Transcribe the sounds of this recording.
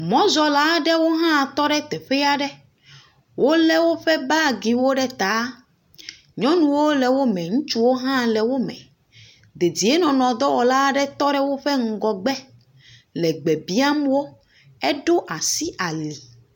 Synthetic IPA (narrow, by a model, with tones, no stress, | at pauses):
mɔ̃˦zɔ˨la˦ɖɛ˦wo˦ɦã˦˨t̪ɔ˦ɖɛ˦t̪ɛ˨ɸɛ˦ja˦ɖɛ˦ | wʔo˦lɛ˦wo˦ɸɛ˦ba˦ɡi˨wo˦ɖɛ˦t̪a˨˦ | ɲɔ̃˦nũ˦wo˦lɛ˨wo˦mɛ̃˨ŋũ˦t͡ʃu˦wo˦ɦã˦˨lɛ˨wo˦mɛ̰̃˨ | d̪e˨di˨e˦nɔ̃˨nɔ̃˨d̪ɔ˦wɔ˨la˦ɖɛ˦t̪ɔ˦ɖɛ˦wo˦ɸɛ˦ŋ̩˦˨ɡɔ˨ɡ͡bɛ˦ | lɛ˨ɡ͡bɛ˨bi˦a˦mwo˦ | ɛ˦ɖo˦ʔa˨si˦ʔa˨li˨